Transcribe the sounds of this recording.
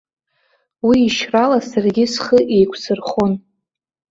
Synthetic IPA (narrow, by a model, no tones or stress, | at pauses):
wiːʃralasarɡʲɪsχəʔejkʷʰsʰɨrχon